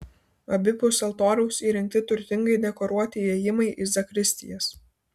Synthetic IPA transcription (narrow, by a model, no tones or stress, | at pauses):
ɐbʲɪpʊsʲɐlˠt̪oːɾʲɛʊsiːɾʲɪŋk̚t̪ʲɪt̪ʊɾʲt̪ʲɪŋɡɐɪd̪ʲɛkɔɾuɔt̪ʲɪeːjɪmɐɪʔɪzɐkɾʲɪsʲt̪ʲɪ̰jɛs